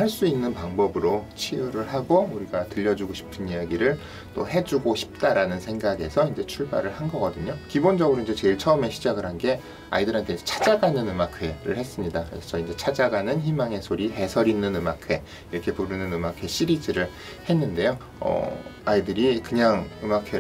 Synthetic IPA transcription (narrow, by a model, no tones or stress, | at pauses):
haɭs͈uinːɯnpaŋbʌbɯɾot͡ɕʰiuɾɯɭɦaɡouɾiɡatɯʎːʌd͡ʑuɡoɕʰi̥pʰɯnijaɡiɾɯɭ | t͈ohe̞d͡ʑuɡoɕʰi̥p̚t͈aɾanɯnsʰe̞ŋɡaɡe̞sʰʌind͡ʑe̞t͡ɕʰuɭba̰ɾɯɭhanɡʌɡʌdɯɲokibond͡ʑʌɡɯɾoind͡ʑe̞t͡ɕe̞iɭt͡ɕʰʌɯme̞ɕʰid͡ʑaɡɯɭhanɡe̞ | a̰idɯɾɦantʰe̞sʌ̥t͡ɕʰad͡ʑaɡanɯnɯmakʰwe̞ɾɯɭhe̞s͈ɯmɲidaḛsʰt͡ɕʰʌind͡ʑe̞t͡ɕʰad͡ʑaɡanɯnçimaŋe̞sʰoɾiɦe̞sʰʌɾinːɯnɯmakʰe̞ | iɾʌkʰe̞puɾɯnɯnɯmakʰwe̞ɕ͈ʰiɾid͡ʑiɾɯɭ | he̞nːɯnde̞jo | ʌ̰aidɯɾikɯɲaŋɯmakʰwe